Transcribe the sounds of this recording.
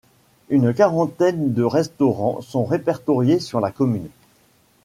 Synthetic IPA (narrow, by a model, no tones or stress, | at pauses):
ynkaʁɑ̃t̪ɛnd̪əʁɛst̪ɔʁɑ̃sɔ̃ʁepɛʁt̪ɔʁjesyʁlakɔmyn